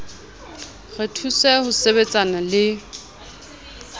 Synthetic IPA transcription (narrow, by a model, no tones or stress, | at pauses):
ɣɪtʰusɛhʊsebet͡sʼanalɪ